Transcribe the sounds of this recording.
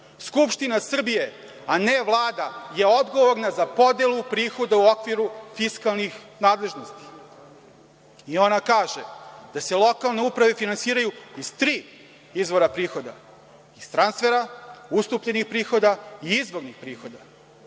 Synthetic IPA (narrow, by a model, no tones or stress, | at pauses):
skupʃt̪inasr̩bije̞ | ane̞ʋlˠaːd̪aje̞o̞d̪ɡo̞ʋo̞ɾnazapo̞d̪elupɾiːxo̞d̪auo̞kʋiɾufiskalˠnix | naːd̪lˠe̞ʒno̞st̪i̥ | io̞nakaːʒed̪̥ase̞lˠo̞kalne̞upɾaʋe̞finansiːɾajuizt̪ɾiː | izʋo̞ɾapɾiːxo̞d̪a̰ | ist̪ɾanst̪fe̞ɾaust̪upʎenixpɾiːxo̞d̪aiizʋo̞ɾnixpɾiːxo̞d̪a